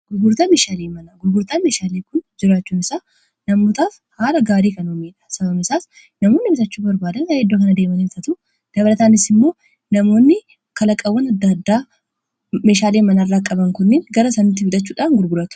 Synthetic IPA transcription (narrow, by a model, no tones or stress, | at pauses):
ɡ̥ʊɾɡʊɾt̪aːmeːʃaːleːmɐnɐɡʊɾɡʊɾt̪aːme̞ːʃaːleːkʊnd͡ʒɪɾaːt͡ʃːuːmɪsaː | nɐmoːt̪aːf | haːlɐɡaːɾiːkɐnoːmeːᶑɐ̥sɐbɐmɪsaːs | nɐmo̞ːnːɪbɪsɐt͡ʃːuːbɐɾbaːd̪ɐned̪ːoːkɐnɐd̪eːmɐnelfɐt̪ʊ | d̪̥ɐbɐlɐt̪aːnɪsɪmːo̞ː | nɐmo̞ːnːɪ | kɐlɐkʼːɐwːɐnɐd̪ːad̪ːaː | me̞ːʃaːleːmɐnɐɪrːaːkʼɐbɐŋkʊnːeːŋɡɐɾɐsɐnːɪt̪ːɪfʊᶑ̪ɐt͡ʃːuːᶑaːnɡʊɾɡʊɾɐt̪ʊ̥